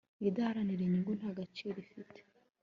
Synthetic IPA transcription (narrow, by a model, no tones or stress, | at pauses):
idahaɾaniɾeɲiŋɡon̥aɡat͡ʃiːɾifite̥